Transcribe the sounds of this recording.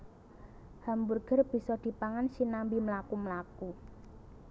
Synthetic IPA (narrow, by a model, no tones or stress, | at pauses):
hamburɡ̥ə̤rb̥i̤sɔd̪̥i̤paŋansinambiməlakuməlaku